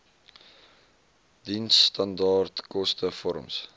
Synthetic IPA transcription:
dinsːtɐndɑːrtkɔstəfɔɾə̰ms

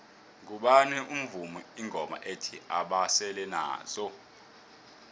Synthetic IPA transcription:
ŋk̬uɓanɛʔum̩vumɔiŋʱɔma̰ʔetʰiaɓasɛlɛna̰ːz̥ɔ

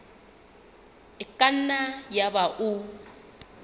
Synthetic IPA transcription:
ɪkʼan̩najabaʔu

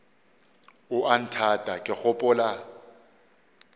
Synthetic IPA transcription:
ʊʔan̩tʰatʼakʼɪk͡xʊpʼʊla

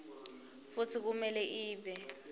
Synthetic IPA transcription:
fut͡sʰik̬umɛlɛʔiːɓɛ

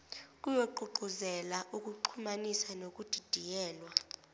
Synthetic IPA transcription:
kʼujoǃuǃʱuzɛlaʔukʼuǃʰumanisanokʼud̥ʱid̥ʱijɛːlwa

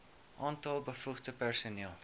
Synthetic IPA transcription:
ʔɑːntɐlˠbəfuχdəpærsuniːəlˠ

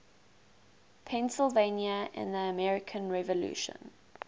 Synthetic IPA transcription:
pʰɛ̃nsəlˠvẽnjəɪ̰̃nðəəmɛɹɪkʰə̃nɹɛvəlṵːʃə̰̃n

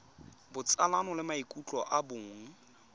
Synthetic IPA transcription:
bʊt͡sʼalanɔlɪmaikʼut͡ɬʼɔʔabʊːŋ̩

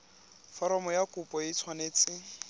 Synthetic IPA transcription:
fɔɾɔmɔjakʼupʼɔjit͡sʰwaneːt͡sɪ

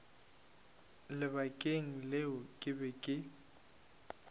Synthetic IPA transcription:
lɪbakʼeŋ̩leʊkʼɪbɛkʼɪ

